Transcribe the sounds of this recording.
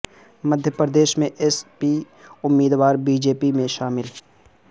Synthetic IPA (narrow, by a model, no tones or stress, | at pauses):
mɐd̪ʱjəpɾəd̪eːʃmẽʔespi | ʊmːiːd̪waːɾbiːd͡ʒeːpimẽʃaːmɪl